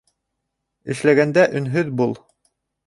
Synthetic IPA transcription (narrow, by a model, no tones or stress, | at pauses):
ɘ̆ʃlæɡænd̪æʔɵ̆nɦɵðbulˠ